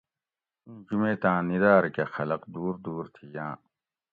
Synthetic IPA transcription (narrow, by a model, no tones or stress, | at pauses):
ũːd͡ʑumeːt̪ãːnid̪aːɾkexɐlɐqd̪uːɾd̪uːɾt̪ʰijãː